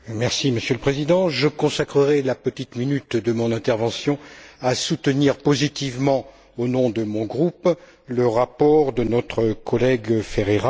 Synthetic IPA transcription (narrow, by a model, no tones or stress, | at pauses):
mɛʁsiməsjøləpχezid̪ɑ̃ʒəkɔ̃sakχəʁɛlapət̪it̪minyt̪d̪əmɔ̃nɛ̃t̪ɛʁvɑ̃sjɔ̃asut̪əniʁpozit̪ivmɑ̃ | onɔ̃d̪əmɔ̃ɡʁup | ləʁapɔʁd̪ənɔt̪χəkʰɔlɛɡfeʁeʁa